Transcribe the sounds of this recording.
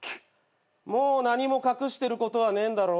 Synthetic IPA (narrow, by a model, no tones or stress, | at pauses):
moːnaɲ̟imo̞kakɯ̟ɕi̥t̪e̞ɾɯ̟ko̞t̪o̞βanẽ̞nd̪aɾo̞